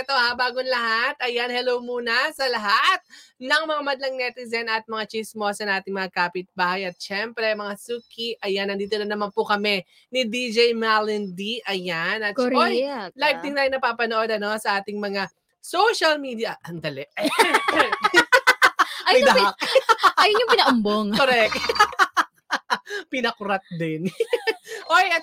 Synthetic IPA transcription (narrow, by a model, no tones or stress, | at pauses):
ɛt̪ohabaːɡonlɐɦat̪̚ɐjanhɛlowmuːnɐsɐlɐɦat̪̚nɐŋmɐŋamɐd̪lɐŋnɛt̪ɪzɛnɐt̪̚mɐŋat͡ʃismo̞sɐnaːt̪ɪŋmɐŋakaːpɪt̪̚baːhɐjɐt̪̚ʃɛmpɾɛmɐŋasuːkiʔɐjanɐnd̪iːt̪olɐnɐmanpʊkɐmɛ | nid̪id͡ʒɛjmalɪnd̪iʔɐjanɐt̪̚ojlajv̚t̪ɪŋt̪aːjɪnɐpaːpɐnoʔo̞d̪ɐno̞sɐʔaːt̪ɪŋmɐŋa | sowʃɐlmiːd̪ijɐʔɐnd̪ɐlɛʔ | ɛk | ɐjd̪ɐakɐjʊnɲjʊŋpɪnɐʔʊmboŋkoɾɛk̪̚ | pɪnɐkʊɾat̪̚d̪ɪn | ʔojɐt̪̚